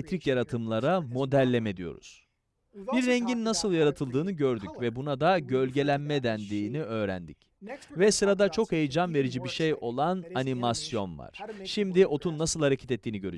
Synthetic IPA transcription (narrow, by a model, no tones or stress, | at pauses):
et̪ɾicjaɾat̪ʰɯmlˠaɾamo̞d̪ælʲːeme̞d̪ijo̞̰ɾṵz̥ | b̥iɾːɛɲɟinːasɯlˠjaɾat̪ʰɯlˠd̪ɯːnɯɟøɾd̪ycvɛbunad̪aɟø̞lʲɟe̞lʲænmɛd̪ænd̪iːniø̞ːɾæ̰nd̪ḭc | vɛsɯɾad̪at͡ʃʰo̞khejid͡ʒanve̞ɾid͡ʒibiʃejo̞lˠananimasjo̞nva̰ɾ̥ʃimd̪iʔo̞t̪ʰunːasɯlˠhaɾecʰe̥t̪ɛt̪ːiːniɟø̞ɾy